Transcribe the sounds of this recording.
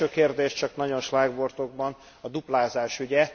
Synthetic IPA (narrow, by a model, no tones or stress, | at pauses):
øːkeːrd̪eːʃt͡ʃɒknɒɟo̞nʃlaːɡbo̞rt̪o̞ɡ̚bɒn | ɒd̪uplaːzaːʃyɟɛ